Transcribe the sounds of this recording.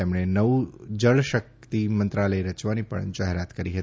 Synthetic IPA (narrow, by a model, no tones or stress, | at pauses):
emɳ̃enəʋud͡ʒəɭʃək̚t̪imə̃nt̪ɾaləeɾət͡ʃʋanipə̰ɳd͡ʒaɦeɾat̪kəɾiɦət̪i